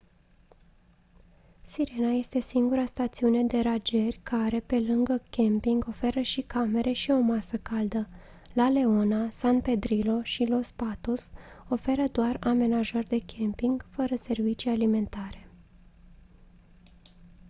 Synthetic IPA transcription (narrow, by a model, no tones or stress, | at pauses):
siɾenaje̞st̪e̞siŋɡuɾast̪at̪siune̞d̪e̞ɾad͡ʒe̞rʲkʰaɾe̞pe̞lɨŋɡəkʲempiŋɡo̞fe̞ɾəʃikame̞ɾʔe̞ʃio̞masəkald̪ə | lale̞o̞nasanpe̞d̪ɾilo̞ʃilo̞spat̪oso̞fe̞ɾəd̪oarame̞naʒorʲd̪e̞kʲempiŋɡfəɾəse̞rvit͡ʃijalime̞nt̪aɾe̞̥